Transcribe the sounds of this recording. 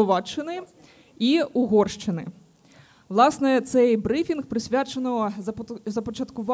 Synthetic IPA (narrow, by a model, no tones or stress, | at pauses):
ɔʋat͡ʃːɪnɪ | iuɣɔrʂt͡ʂɨnɪ̰ | wlˠasnɛt̪sɛjbɾɪfʲinxpɾɪsʲʋʲat͡ʃɐnɔ | zɐpɔt͡ʃɐt̪kʊʋa